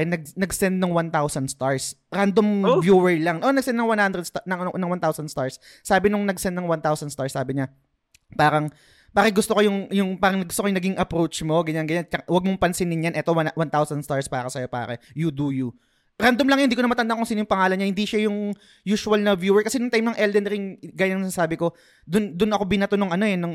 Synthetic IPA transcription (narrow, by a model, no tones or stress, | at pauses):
ɛnɐɡ̚nɐɡsɛnd̪̚nɐŋwant̪awsɐnd̪st̪aɹsɾand̪omvjuːwɛɹlaŋʔo̞nɐɡ̚sɛnd̪nɐŋwanhand̪ɾɛd̪̚st̪nɐŋnɐŋwant̪awsɐnd̪st̪aɹsː | aːbɪnʊŋnɐɡsɛnd̪nɐŋwant̪awsɐnst̪aɹsːaːbɪɲa | paːɾɐŋ | paːkɪɡʊst̪okojʊŋjʊŋpaːɾɐŋnɐɡʊst̪okojʊŋnɐɡiŋʔɐpɾot͡ʃmo̞ɡɐɲanɡɐɲat͡ʃɐkawɐɡ̚moŋpɐnsɪnɪnjɐnʔɛːt̪owawant̪awsɐnst̪aɹspaːɾɐsɐjo̞pa̰ːɾɛjud̪uju | ɾand̪ɐmlɐŋjɐnd̪iːkonɐmɐt̪ɐnd̪akʊŋsinjʊŋpɐŋaːlɐnɲahɪnd̪iʃajʊŋ | juːʃʊwɐlnɐvjuːwɛɹkɐsɛnʊŋt̪ajmnɐŋʔɛld̪ɛnɾɪnɡaːjaŋnːsaːbɪko̞ | d̪ʊnd̪ʊnʔɐkobɪnat̪ʊnoŋʔɐno̞ɛnʊŋ